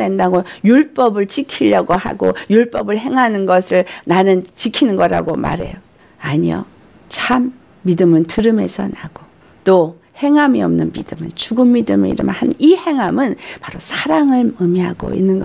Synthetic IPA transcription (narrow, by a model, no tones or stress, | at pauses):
endaɡojuɭp͈ʌbɯɭt͡ɕikʰiʎjʌɡoha̰ɡo̰juɭp͈ʌbɯɭɦe̞ŋɦanɯnɡʌsʰɯɭnanɯnt͡ɕikʰinɯnɡʌɾa̰ɡoma̰ɾe̞̰jo | aɲijo̰ | t͡ɕʰamː | idɯmɯntɯɾɯme̞̰sʰʌnaɡ̥o | t͈o | he̞ŋɦamiʌmnɯnmidɯmɯnt͡ɕuɡɯmːidɯmḛḭɾɯ̰mhanihe̞ŋɦamɯnpaɾosʰaɾaŋɯɭɯmiɦaɡo̰ḭnːɯnɡʌ